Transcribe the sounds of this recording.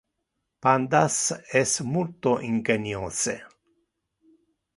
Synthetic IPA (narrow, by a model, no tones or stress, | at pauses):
pand̪asɛsmult̪oʔiŋɡenjose